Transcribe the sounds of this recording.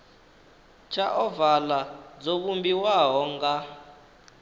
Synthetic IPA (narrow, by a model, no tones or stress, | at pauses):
t͡ʃʰʼaʔɔvalad͡zokumbiwaɦɔŋɡa